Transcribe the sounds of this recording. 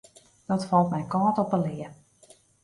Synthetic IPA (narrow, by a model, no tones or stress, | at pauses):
d̥ɔtfɑlˠtmɛjkɔːtɔpəlɪə